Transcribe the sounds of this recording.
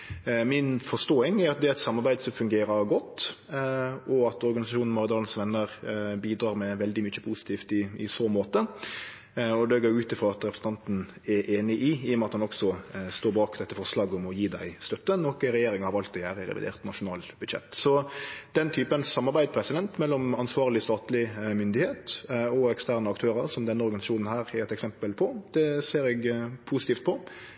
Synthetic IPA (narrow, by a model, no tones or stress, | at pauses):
mɪnfɔʂt̪oːɪŋɛɾɑt̪̚d̪ɛæɾɛt̪sɑmːɑɾbæɪd̪sɔfʉŋɡeːɾəɾɡɔt̪ː | ʔɔɑt̪ɔɾɡɑnɪsɑʃuːnn̩mɔɾɪd̪ɑːln̩sʋɛnːəɾbiːd̪ɾɑːɾmɛʋɛld̪ɪmʏçəpʰuːsɪ̥t̪ʰiːft̪ɪɪsoːmoːt̪ə | ɔd̪ɛɡoːɾjʊʉːt̪ɪfʁɔɑt̪ɾɛpɾəsn̩ɑnt̪n̩ɛɾʔeːnɪʔɪiːɔmɛɑt̪hɑnɔksɔst̪oːbɑːkd̪ɛt̪ːəfɔɾslɑːɡɔmɔjiːd̪æɪst̪œt̪ːənɔkːəɾɛjeːɾɪŋəhɑɾɑlt̪ːɪæːɾəɾɛ̰ʋɪ̰d̪ḛːɾt̪nɑʂʊnɑ̰ːlbʉd̪ʃɛ̰t̪ːsɔd̪̥ɛnt̪ʰyːpənsɑmːɑɾbæɪd̪pʰɾɛsɪd̪ɛnt̪mɛlːɔmɑnsʋɑːʁlɪst̪ɑːt̪lɪmʏnd̪ɪheːt̪ɔɛkst̪æːɾnəɑkt̪ʰøːɾəɾsɔmd̪ɛnːəɔɾɡɑnɪsɑʃuːnn̩ɦæːɾɛɾɛt̪ɛksɛmpəlpʰɔd̪̥ɛseːɾɛɡpʰuːsɪt̪iːft̪̚pʰɔ